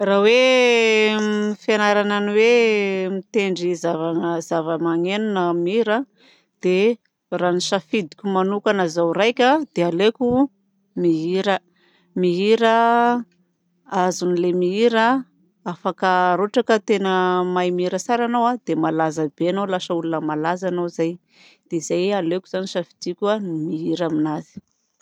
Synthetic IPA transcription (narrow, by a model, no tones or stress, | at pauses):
rawe | mifanaɾananiwemit̪eɳɖ͡ʐizavaŋəzavəmaŋenunəmiiɾa | d̪̥e | raniʃafid̪i̥kʲumanukanazawrajkʲad̪ealekʲu | miɦiɾə | miɦiɾə | azunilemiiɾə | afakəɾoʈ͡ʂakət̪enəmajmiiɾəsaɾanowad̪̥emalazəb̥eanolaʃəulunəmalazanozaj | d̪̥eizajalekʲuz̥aniʃafi̥d̪̥ikʲanimiɦiɾaminazi̥